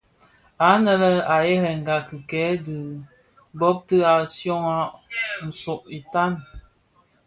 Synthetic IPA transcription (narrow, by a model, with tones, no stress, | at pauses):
a˨˦nə˦lə˦a˨jɛ˦ɾɛ˨ŋ̩˨ɡa˨ki˨kɛ˨˦də˨ | bɔ˦p̚tə˦a˨sjɔ˦ŋa˦n̩˨so˨ʔi˨ta˦˨n